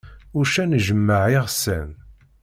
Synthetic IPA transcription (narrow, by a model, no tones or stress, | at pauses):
ʊɾʃænʒəmːəʕiʁsæ̰m